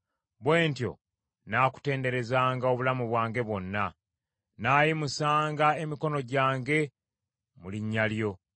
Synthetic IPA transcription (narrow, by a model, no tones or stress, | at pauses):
bwe̞ːntjo̞̰ | naːku̥te̞ːnde̞ɾe̞zaːŋɡao̞βulamuβwaːŋɡe̞βwo̞nːa | naːjimusaːŋɡae̞miko̞no̞ɟaːŋɡe̞ | muliɲːaljo̞